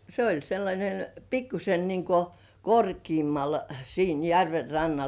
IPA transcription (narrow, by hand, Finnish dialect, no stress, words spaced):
se olʲ selːɑnʲen pikːuse niŋko korkiːmːɑl siːn jærʋer rɑnːɑl